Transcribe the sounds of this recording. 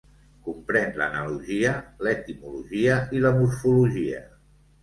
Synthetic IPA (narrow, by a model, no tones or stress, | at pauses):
kumpɾɛnlə̰nəluʒiəlɛt̪imuluʒiəiləmuɾfuluʒiə̰